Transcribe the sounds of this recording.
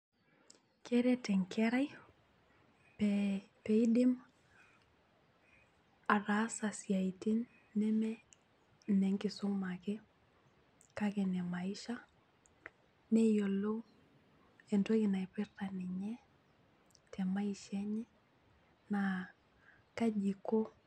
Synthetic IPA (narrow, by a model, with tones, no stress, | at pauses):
ke˦ɾe˦tɛ˨ŋkɛ˦ɾa˦j | pɛpe˨i˦dɪ˦m | a˨ra˦sa˨si˨a˨i˨ti˦nː | ɛ˦mɛ˦ | nɛ˨ŋkɪ˨sʊ˦ŋma˨ke˦ | ka˦kɛ˨nɛ˨ma˨ɪ˦ʃa˦ | ne˦jo˨lo˦ | e˨nto˦kɪ˨na˨ipɪ˦rta˨ni˨ɲɛ˦ | tʰɛ˨ma˦i˨ʃɛɲɛ˦ | na | ka˦d͡ʒi˨ko˦